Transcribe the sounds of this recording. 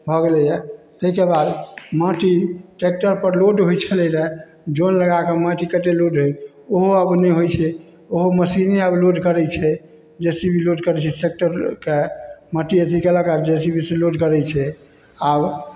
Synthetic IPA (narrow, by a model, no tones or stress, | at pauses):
bʱɔɡlɛjɛ | t̪əɦikebad̪məʈiʈek̚ʈəɾpəɾloɖɦojt͡ʃʰɛleɾɛ | d͡ʒonləɡakeməʈikəʈeloɖɦoj | oɦoəbnɛɦojt͡ʃʰɛ | oɦoməsineəbloɖkəɾɛt͡ʃʰɛ | d͡ʒesibʱiloɖkəɾɛt͡ʃʰɛʈek̚ʈəɾkeməʈiet̪ʰikeləɡad͡ʒesibʱiseloɖkəɾɛt͡ʃʰɛ | ab